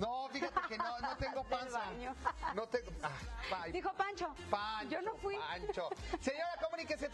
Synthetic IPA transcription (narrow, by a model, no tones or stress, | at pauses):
nofixat̪ekennonot̪eŋɡopansaɲonot̪eapajd̪ixopant͡ʃopaɲonofwiant͡ʃoseɲoɾakomunikasje